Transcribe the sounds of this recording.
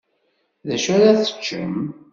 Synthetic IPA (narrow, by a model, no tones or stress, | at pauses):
ðæʃæɾaθə̥t͡ʃːə̰m